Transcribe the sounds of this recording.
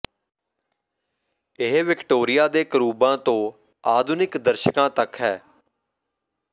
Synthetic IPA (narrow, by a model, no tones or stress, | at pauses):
ɪɦʋɪkʈoːɾɪjaːd̪eːkəɾuːbãːt̪õː | aːd̪ʱunɪkd̪əɾʃəkãːt̪əkɦɛː